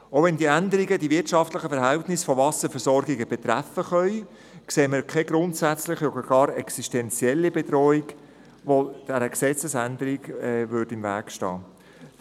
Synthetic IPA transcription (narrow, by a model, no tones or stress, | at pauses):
oʊʋɛndiːændəɾiɡədivɪtʃɑftlɪχəfɛɾɦæltnɪsfɔvɑsəɾfɛɾsɔɾɡiɡəb̥et̪ɾæfəχœʏ | kseːməɾkʰɛɡɾʊntsæt͡slɪχɔd̥əɾɡ̥ɑːɾɛksiʃtɛnt͡siɛlːibedɾɔːiɡ | ʋod̥æɾəksɛt͡səsænd̪əɾiɡɛvʏdɪmvæ̰ːkʃtɑ̰ː